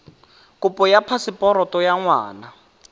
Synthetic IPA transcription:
kʊpʼɔjapʰasɪpʼɔɾɔtʼɔjaŋwa̰ːna

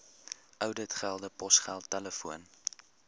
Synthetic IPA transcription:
ʔœwdətχælˠdəpɔsχælˠtːɛləfuən

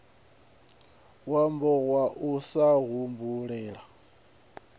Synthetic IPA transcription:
wambɔɣwaʔusaɣumbuɺɛːɺa

